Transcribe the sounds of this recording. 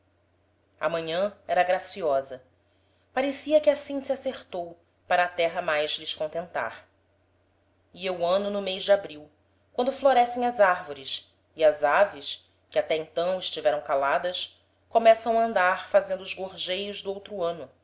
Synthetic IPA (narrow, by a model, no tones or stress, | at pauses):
ɐ̰mɐ̃ɲɐ̃ɛɾɐɡɾasiɔzɐ | paɾesiɐkɪasĩsɪaseχt̪ow | paɾɐːt̪ɛɦɐmajzlɪʃkõnt̪ẽnt̪a̰ɾ | iewɐ̃nʊnʊmejʒd͡ʒɪabɾiw | kwɐ̃nd̪ʊfloɾɛsẽj̃ɐzaɾvoɾɪs | iɐzavɪʃ | kɪat̪ɛĩnt̪ɐ̃w̃ɪʃt͡ʃivɛɾɐ̃w̃kalad̪ɐs | komɛsɐ̃w̃aɐ̃nd̪aɾfazẽnd̪ʊːzɡoɾʒejʊzd̪ʊowt̪ɾʊɐ̃nʊ